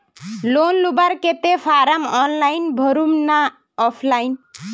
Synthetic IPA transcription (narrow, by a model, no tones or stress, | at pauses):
lonlubaɾket̪epʰaɾamɔnlajnbʱʌɾumna | ɔpʰlajn